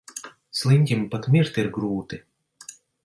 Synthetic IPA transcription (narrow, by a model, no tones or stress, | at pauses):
slˠɨnʲt̪ʲimpat̪mʲiɾt̪iɾɡɾuːt̪ɨ